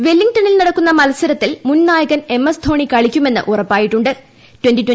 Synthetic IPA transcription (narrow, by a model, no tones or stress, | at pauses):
ʋe̞lːiŋʈɐnilniɐɽɐkːunːɐmɐlɐsɐɾɐt̪ːilmunnaːjɐɣɐne̞mːɐsd̪ʰʱo̞ːɳikɐɭikʲːume̞nːɨ̰ʔurɐpːaːjiʈːuɳɖɨ | twentitwe